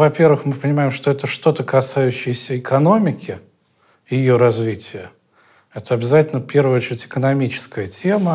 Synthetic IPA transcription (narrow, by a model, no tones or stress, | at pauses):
vɐpʲe̞rvɨxmɨpənʲɪmajɪmʂt̪oɛt̪əʂt̪o̞t̪əkɐsajʉɕːɪjɪsʲəɪkʰɐno̞mʲɪkʲɪ | jɪjo̞ɾɐzvʲitʲɪjə | ɛt̪əɐbʲɪzatʲɪlʲnəfpʲe̞rvəjot͡ɕɪɾʲɪtʲɪ̥kənɐmʲit͡ɕɪ̥skəjətʲe̞mə